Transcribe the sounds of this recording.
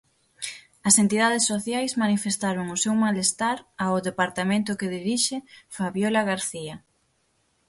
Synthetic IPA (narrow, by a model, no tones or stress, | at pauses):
ɐsent̪iðaðesːoθjajsmanifest̪aɾʊŋʊsewmalest̪aɾaoðepaɾt̪amẽnt̪ʊkeðiɾiʃefaβjolaɣaɾθiɐ